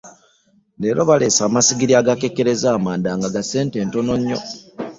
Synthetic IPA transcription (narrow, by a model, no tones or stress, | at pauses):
neɾo̞βale̞saːmasiɡiɾiaɡake̞keɾe̞zaːmaːndaŋɡaɡase̞ːnte̞ːntonoɲːo̞̰